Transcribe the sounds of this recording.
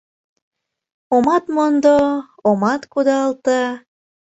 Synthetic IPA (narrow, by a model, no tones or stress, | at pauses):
omɑt̪mond̪o | omɑt̪kud̪ɑlt̪ɑ